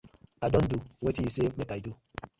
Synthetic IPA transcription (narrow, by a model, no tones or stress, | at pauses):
adɔ̃nduwetijusemetaitu